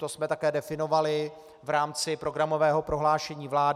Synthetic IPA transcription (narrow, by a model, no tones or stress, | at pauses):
t̪osmɛt̪akɛːdɛfɪnovalɪ | vɾaːmt͡sɪpɾo̞ɡɾamovɛːɦo̞pɾo̞ɦlaːʃɛɲiːvlaːd